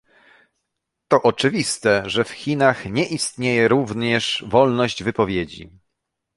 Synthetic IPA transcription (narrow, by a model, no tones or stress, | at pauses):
t̪ɔʔɔt͡ʂɘvʲist̪ɛʐɛfxʲinaxɲɛʔist̪ɲejɛɾuvɲɛʂvɔlnɔʑd͡ʑvɘpɔvʲjed͡ʑḭ